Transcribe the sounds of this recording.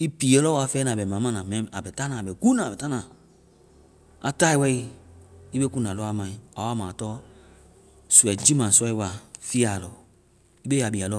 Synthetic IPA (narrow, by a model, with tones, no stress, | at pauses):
i˦pi˨e˨˦lɔ˦wa˧fɛː˦nã˨bɛ˨mã˨˦mã˦nã˨mɛ̃˨˦˨a˨bɛ˨ta˦nã˨bɛ˨ku˦nã˨bɛ˨ta˦nã˨ | a˨ta˦i˨wɛ˧˦i˦i˦be˦ku˦˨nã˨lɔ˦a˦mã˨ĩ˨a˨wa˦mãː˨tɔː˦ | su˨ɛ˨d͡ʒi˦mã˨sɔ˦i˧˦wa˨fi˦a˨lɔ˨ | i˦be˦a˨bi˨a˨lɔ˦